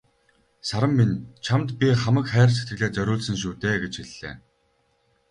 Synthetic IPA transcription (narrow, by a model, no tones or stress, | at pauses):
saɾə̆mːint͡ɕʰamt̪pʲiχamə̆kχæːrse̥t̪̚ɡɘ̆ɮeːt͡sœɾʲʊːɮsə̆ŋʃ̬uːt̪eːɡet͡ɕxiɮːḛː